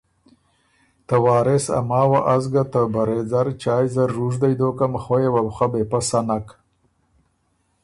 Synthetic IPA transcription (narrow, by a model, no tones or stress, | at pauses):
t̪awɑːɾesa̰mɑːwaʔazɡat̪əbaɾezaɾt͡ʃɑːjzaɾːuʐd̪ajd̪okamxojewawχabepasanak